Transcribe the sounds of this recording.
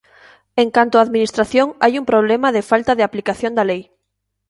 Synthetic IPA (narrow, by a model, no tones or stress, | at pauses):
eŋkant̪oaːðminist̪ɾaθjoŋajumpɾoβ̞lɛmaðefalt̪aðeaplikaθjõnd̪alej